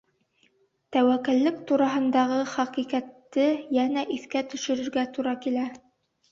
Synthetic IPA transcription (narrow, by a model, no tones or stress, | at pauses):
t̪æwækɘ̆lːɘkt̪uɾɑɦɤ̆nd̪ɑʁɤχæqiqæt̪ːɘjænæʔiθkæt̪ɵ̆ʃɵ̆ɾɵ̆ɾɡæt̪uɾɑkilæ